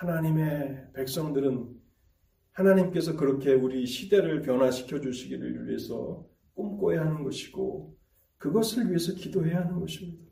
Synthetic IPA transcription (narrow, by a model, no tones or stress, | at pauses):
hanaɲime̞pe̞k̚s͈ʌŋdɯɾɯn | hanaɲimk͈e̞sʰʌkɯɾʌkʰe̞uɾiɕʰide̞ɾɯɭpjʌnɦwaɕʰi̥kʰjʌd͡ʑuɕʰiɡiɾɯ̰ɭɥḭɦe̞sʰʌ̰ | k͈omk͈oɦeaɦanɯnɡʌɕʰi̥ɡ̥o̰ | kɯɡʌsʰɯɭɥiɦe̞sʰʌkidoɦe̞jaɦanɯnɡʌɕʰimɲidḁ